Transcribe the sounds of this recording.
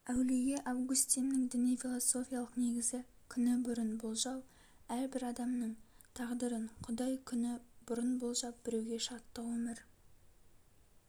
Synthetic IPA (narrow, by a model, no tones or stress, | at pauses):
æwlijeʔɑvɡʊst̪innɪŋd̪ɪnijfʲilˠoso̞fʲijɑlˠəqne̞ɡʲɪzɪ | kʲʰʏnɪbʊɾənbʊlˠʒɑw | æɾbɪɾɑd̪ɑmnəɴt̪ʰɑʁd̪əɾəɴqʰʊd̪ɑjkʲʰʏnɪb̥ʊɾənbolˠʒɑp̚b̥ɪɾewɡʲe̞ʃɑt̪ːɑwɵmɪɾ